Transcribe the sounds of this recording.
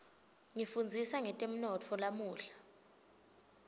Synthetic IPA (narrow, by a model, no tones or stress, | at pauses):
ŋifund͡zʱisaŋɛtʼem̩nɔtʰɔlamuːɬḁ